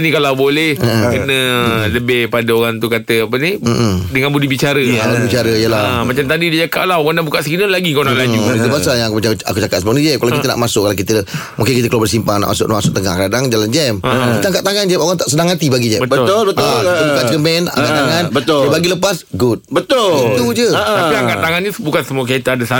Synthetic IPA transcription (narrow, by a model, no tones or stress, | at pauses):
nikalawbolɛəʔəkənə̃ləbɪhpadaoɣaŋt̪ukat̪əapənim̩ʔdəŋanbudibit͡ʃaɾədəŋabudibit͡ʃaɾəijəlaəmat͡ʃamt̪adidəd͡ʒaka̰ʔlaɦoɣaŋndabukaʔsəkinəlaɡikaunaʔlad͡ʒuit̪ubassajaŋkumat͡ʃaa̰kut͡ʃakat̪səmuknid͡ʒɛp̚kalawkit̪əna̰ʔmasʊkːalakit̪ə | mukɪnkit̪əklabərsimpaŋna̰ʔma̰sʊkʔnmasʊk̚t̪əŋa̰hkadaŋd͡ʒaland͡ʒɛmkit̪əaŋkaʔt̪aŋand͡ʒɛmoɣaŋt̪aʔsənaŋhat̪ibaɡid͡ʒɛbəbət̪olbətait̪ubkaʔt͡ʃəkəmbɛna̰ŋkaʔ̪aŋanbət̪ʊdəbaɡiləpasɡut̚bət̪ʊlt̪ud͡ʒəəʔt̪apiakaʔt̪ːaŋanɲəbukansəmũək̬ait̪əadəsa